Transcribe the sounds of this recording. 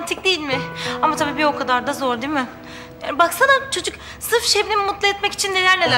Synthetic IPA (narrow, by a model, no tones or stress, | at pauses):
nt̪ʰik̚d̪ejilʲmɪamat̪ʰabiːbio̞kʰad̪aɾd̪azoɾd̪iːmɪ | jaːnbaksanat͡ʃʰo̞d͡ʒuk | sɯɾfʃejbinimmut̪lˠɯɛt̪mɛci̥t͡ʃʰinːe̞lʲæɾnel